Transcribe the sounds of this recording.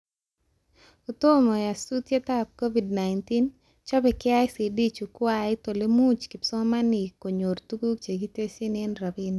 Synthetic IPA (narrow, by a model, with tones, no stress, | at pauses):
ʊ˨t̪o˦mɔ˨ja˨su˦t̪je˦t̪a˦p̚ko˦vi˨dna˨ɪnti˦n | t͡ʃɔ˦bɛ˨kɪ˦a˦ɪ˦si˨di˦t͡ʃu˨kwa˦˨ɪ˦t̪o˨le˦mu˦t͡ʃkɪ˨psɔ˦ma˦nɪ˨ko˨ɲo˨rt̪u˦ɡu˦k̚t͡ʃe˨ɡi˦te˦si˦nɪ˦nɾa˨bin˨˦